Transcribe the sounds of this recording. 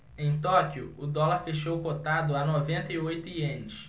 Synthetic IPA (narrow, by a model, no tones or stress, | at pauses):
ẽj̃t̪ɔkjʊʊd̪ɔlaɾfeʃowkot̪ad̪ʊanovẽnt̪ɐiojt̪ʊiẽnɪʃ